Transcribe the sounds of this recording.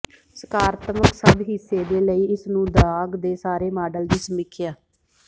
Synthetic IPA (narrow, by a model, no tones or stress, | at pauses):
səkaːɾt̪məksəb̪ɦɪsːeːd̪eːləiːɪsnũːd̪aːɡd̪eːsaːɾeːmaːɖəld͡ʒiːsəmɪkʰjaː